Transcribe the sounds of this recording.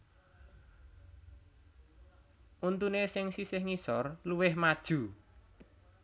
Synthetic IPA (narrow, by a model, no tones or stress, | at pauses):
ʔunt̪unesɪŋsisɪhŋisɔrluwɪhmad̥ʒ̥ṳ